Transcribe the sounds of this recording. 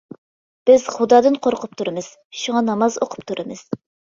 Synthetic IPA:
b̥ɪz̥χud̪ɑːd̪ɨnqʰoɾqʰʊp̚t̪ʰuɾɨmɨz̥ | ʃuŋɑnɑmɑzoqʰʊ̥p̚t̪ʰuɾʔɨmɨz̥

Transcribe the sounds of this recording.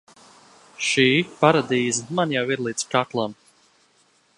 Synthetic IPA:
ʃiːpaɾad̪iːzmanjawiɾlˠiːt̪skaklˠam

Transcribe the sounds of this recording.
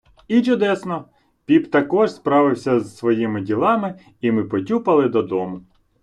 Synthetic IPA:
it͡ʃʊd̪ɛsnɔ | pʲipt̪ɐkɔʒspɾɑʋɪwsʲɐzsʋɔjimɪdʲilˠɑmɪ | imɪpɔtʲupɐlˠɪd̪ɔd̪ɔmʊ

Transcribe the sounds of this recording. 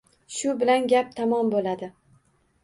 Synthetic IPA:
ʃʊbɪlanɡʲap̚t̪ʰamɒmbolad̪ɪ

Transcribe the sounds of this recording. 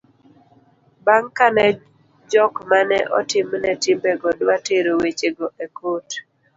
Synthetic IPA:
baŋkanɛ | d͡ʒɔkmanɛ̰ʔɔtɪmnɛtimbɛɡɔdwateɾowet͡ʃeɡɔʔekot

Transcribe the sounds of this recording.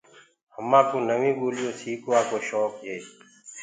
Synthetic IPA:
həmːãːk̪oːnəʋĩːboːlijõːsiːkoaːkoːɕɔːkɦeː

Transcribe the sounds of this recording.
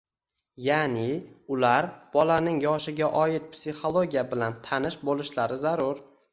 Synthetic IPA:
janɪʊlaɾb̥ɒlanɪŋjɒʃɪɡʲaʔɒjɪt̪̚psiχo̞lˠoɡʲijabɪlant̪ʰanɪʃbolɪʃlaɾɪzaɾʊɾ

